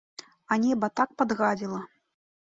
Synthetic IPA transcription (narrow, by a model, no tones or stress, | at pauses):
anʲɛbɐt̪ak̚pad̪ɣad͡zʲilˠɐ